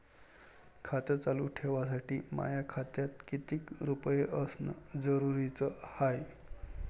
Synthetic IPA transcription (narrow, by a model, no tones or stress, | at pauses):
kʰat̪ət͡saluʈʰeʋas̬aʈiːma̰jakʰat̪jat̪kit̪iːkɾupəjeʔəsnə̰d͡zəɾuɾit͡səhaj